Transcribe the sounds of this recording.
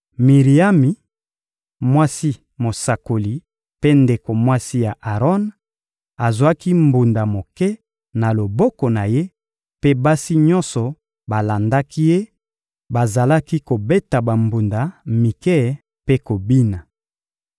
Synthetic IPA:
mi˨ʁi˨a˦mi˨ | mwa˦si˦ | mo˨sa˨ko˨li˨ | pe˦nde˨ko˨mwa˦si˦ja˨ʔa˨ʁɔ˦n | a˨za˦ki˦mbu˨nda˨mo˨kɛ˦ | na˨lo˨bɔ˦kɔ˨na˨je˦ | pe˦ba˦si˦ɲɔ̃˦nsɔ˨ | ba˨la˨nda˦kʰi˦je˦ | ba˨za˨la˦ki˦ko˨be˦ta˨ba˨mbu˨nda˨mi˨kɛ˦ | pe˦ko˨bi˦na˨

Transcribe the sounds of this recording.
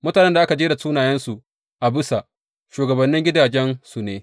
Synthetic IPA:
mʊ˦taː˨nɛ˦nda˨ʔa˦ka˨d͡ʒeː˦da˨suː˦naː˨jɛ˦nsu˨ʔ | ʔa˨bɪ˦sa˨ʔ | ʃuː˨ɡɐ˨bɐ˨nːɪ˦ŋɡʲɪ˦daː˨d͡ʒɛ˦nsu˨neː˦

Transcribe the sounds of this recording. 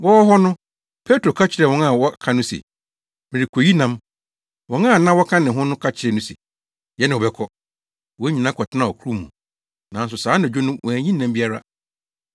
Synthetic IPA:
wɔ˦wɔ˦ɦɔ˦nʊ̃˦ | pʰe˦tʰɾo˨kʰa˦t͡ɕʰɪ˨ɾɛ˨wɔ̃˦na˦˨wɔ˦kʰã˦nʊ̃˦sḛ˨ | mɪ̃˨ɾi˨kʰo˨ji˦nã˦m | wɔ̃˨˦nã˦˨nã˦wɔ˦kʰã˦nɪ̃˨ɦʊ̃˦nʊ̃˦kʰa˦t͡ɕʰɪ˨ɾɛ˨nʊ̃˦sḛ˨ | jɛ˦nɪ̃˨ɔ˨bɛ˦kʰɔ˦ | wɔ˦ɲĩ˨nã˦kʰɔ˨tʰɪ˦nã˨ɔ˨kʰu˦ɾu˦˨mũ˨ | nã˨n˦s̬ʊ˨saː˨˦næ˨d͡ʑᶣo˦nʊ̃˦wʔɔ̃˨æ˨ɲĩ˦nːã˦m˦bi˦a˦ɾa̰˦

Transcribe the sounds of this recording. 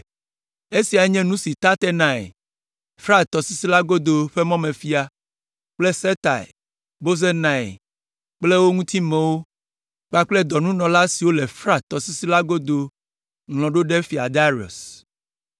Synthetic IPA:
e˦si˨a˨˦ɲɛ̃˦nũ˦si˨t̪a˦t̪ɛ˦nã˨ḛ˨ | fɾa˦t̪ɔ˨si˦si˦la˦ɡo˦d̪o˨ɸe˦mɔ̃˦mẽ˨fi˦a˦ | k͡ple˦sɛ˦t̪a̰˨ḭ˨ | bo˦ze˦nã˨ḛ˨ | k͡ple˦wo˦ŋũ˦t̪i˦mɛ̃˨wo˦ | k͡pa˦k͡ple˦d̪ɔ˨nũ˦nɔ̃˨la˦si˨wo˦le˨fɾa˦t̪ɔ˨si˦si˦la˦ɡo˦d̪o˨ | ŋlɔ̃˨ɖo˦ɖe˦fi˨a̰˨d̪a˦ɾi˨o̰˨s

